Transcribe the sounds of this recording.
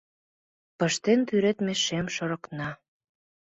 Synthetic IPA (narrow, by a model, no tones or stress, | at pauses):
pɤ̆ʃt̪ent̪yɾet̪meʃemʃɤ̆ɾɤ̆knɑ